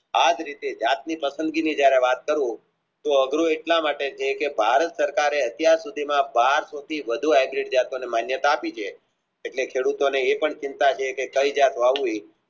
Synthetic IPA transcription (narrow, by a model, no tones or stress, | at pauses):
ad͡ʒɾit̪ed͡ʒat̪̚nipəsə̃nd̪ɡinid͡ʒjaɾeʋat̪̚kəɾũ | t̪oəɡɾoeʈlamaʈet͡ʃʰekebʱaɾət̪səɾkaɾeət̪jaɾsud̪ʱimãbaɾsot̪ʰiʋəd̪ʱuajbɾiʈ̚d͡ʒat̪onemanjət̪aːpit͡ʃʰeː | ʈlekʰeɽut̪oneːpəɳt͡ʃɪnt̪at͡ʃʰekekəid͡ʒat̪oaʋuj